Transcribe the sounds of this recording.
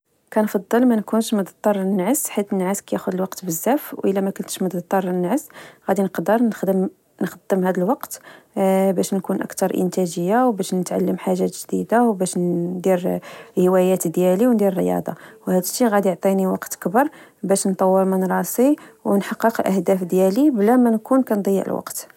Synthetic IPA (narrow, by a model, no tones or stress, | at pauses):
kænfɑd̪ˤːəlmænkunʃməd̪ɑt̪ˤːɑɾˤənːʕəsħit̪ənːʕaskæjæxʊd̪əlwɑqt̪bəzːæfwʔəlːæmækʊlt̪ə̥ʃməd̪t̪ˤːɑɾˤənːʕəsɣæd̪inəqd̪əɾ | nxəd̪ːəmhæd̪əlwɑqt̪ | bæʃnkunʔə̰kt̪ɑɾˤʔə̰nt̪æʒəjːawbæʃnət̪ʕalːəmħaʒːæt̪ʒd̪id̪awbæʃd̪iɾlhəwæjæt̪d̪jæliwnd̪iɾrjɑ̰d̪ˤɑ̰whæd̪əʃiɣæd̪ijoʕt̪ˤiniwɑqt̪kbəɾˤbæʃnt̪ˤɑwːəɾmænɾˤɑsˤiwnħɑqːəqəlʔəhd̪æfd̪jæliblæmænkunkænd̪ˤɑjːə̰ʕə̰lwɑ̰qt̪